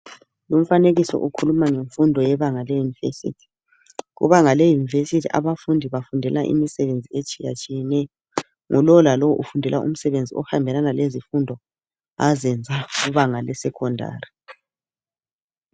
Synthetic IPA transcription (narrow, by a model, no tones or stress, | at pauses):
lum̩faneɣisɔ̰ʔukʰulumaŋeɱfundʱɔjɛβaŋalejunivesḭːtʰi̥ | ɣṵβaŋalejunivesitʰia̰βafundʱiβafundʱɛlaʔḭmisɛβend͡zʱiet͡ʃʼija̰t͡ʃʼijɛnɛjɔ | ŋʔɔlɔwlalɔwɔʔufundʱɛla̰ṵm̩sɛβend͡zʱiɔ̰hambʱɛlanalezifundʱɔ | azɛnd͡zʱaɣuβaŋalɛsɛkʰɔndʱa̰ːri